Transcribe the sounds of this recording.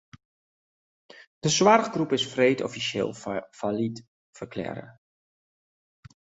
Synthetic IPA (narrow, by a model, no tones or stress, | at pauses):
d̥əswarəɣɡrupɪsfreːtɔ̰fisḛːlˠfalit | fərkʰlɛ̰ɾə̰